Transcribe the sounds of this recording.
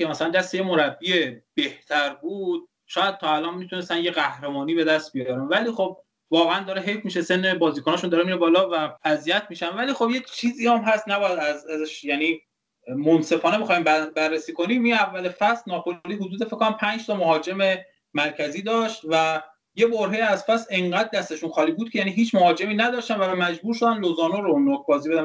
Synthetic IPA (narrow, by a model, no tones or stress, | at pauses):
emæsælænd̪æst̪ejemo̞ɾæbːie̞b̥e̞ht̪ʰæɾbuːd̪̥̚ | ʃɒːjæd̪̚t̪ʰɒːælɒːnmit̪ʰunest̪ænjeɣæhɾemɒːniːbe̞d̪æst̪̚bijɒːɾænvæliːxob̚ | vɒːɣeænd̪ɒːɾeɦefmiʃese̞nːebɒːziːkʰonɒːʃund̪ɒːɾemiːɾebɒːlɒːvææzijæt̪ʰmiːʃænvæliːxobje̞t͡ʃʰiːziːæmɦæst̪næbɒːjæd̪æzæzæʃjæːniː | monse̞fɒːneexɒːhimbæbærːesiːkoniːmiævːælefæslnɒːpʰolliːhud̪uːd̪efekʰːonæmpʰænd͡ʒt̪ʰɒmoɦɒːd͡ʒe̞me̞ | mæɾcʰæziːd̪ɒːʃt̪væ | je̞boɾɦejæzfæsleŋɢæd̪̚ːæst̪e̞ʃunxɒːliːbuːd̪̥̚kʰejæːniːɦiːt͡ʃʰmohɒːd͡ʒe̞miːnæd̪ɒːʃt̪ænvæmæd͡ʒbuːɾʃod̪ænlozɒːnoɾonokbɒːzibe̞d̪æn